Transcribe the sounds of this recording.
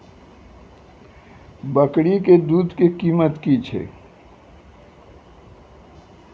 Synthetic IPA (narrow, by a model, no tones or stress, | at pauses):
bəkɽiked̪uːd̪kekiːmət̪kit͡ʃʰḛː